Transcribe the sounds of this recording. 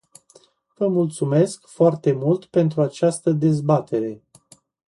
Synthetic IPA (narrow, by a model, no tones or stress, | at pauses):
vəmult̪sume̞skfoart̪e̞mult̪pe̞nt̪ɾuat͡ʃast̪əd̪e̞zbat̪ʰe̞ɾe̞